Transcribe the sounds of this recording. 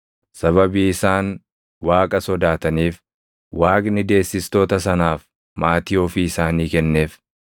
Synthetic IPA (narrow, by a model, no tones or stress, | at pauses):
sɐβɐbiːɪsaːn | waːkʼɐsɔd̪aːt̪ɐniːf | waːkʼnɪd̪e̞ːsːɪst̪o̞ːt̪ɐsɐnaːf | maːt̪ɪofiɪsaːniːkɛnːe̞ːf